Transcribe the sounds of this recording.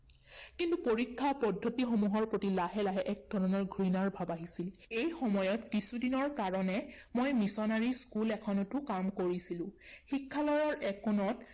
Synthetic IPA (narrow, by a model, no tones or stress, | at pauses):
kintupoɹikʰːapɔdʱːotixomuɦɔɹpɹotilaɦɛlaɦɛʔɛk̚dʱɔɹɔnɔɹɡʱɹinaɹbʱabaɦisilejxɔmɔjɔtkisudinɔɹkaɹɔnɛmojmisɔnaɹiskulɛkʰɔnɔtʊkamkoɹisilʊ̃xikʰːalɔjɔɹɛkɔnɔt